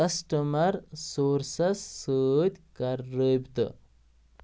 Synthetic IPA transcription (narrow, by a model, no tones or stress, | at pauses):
ɐsʈɐmɐɾsoːɾsɐsːəd̪ʲkɐɾːəbt̪ɨ̰